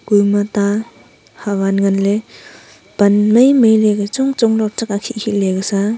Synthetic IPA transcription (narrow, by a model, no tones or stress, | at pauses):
ɡujmata | hawanŋanle | b̥anməjməjleɡat͡ʃɔŋt͡ʃɔŋlɔk̚tak̚akʰiʔkʰileɡasa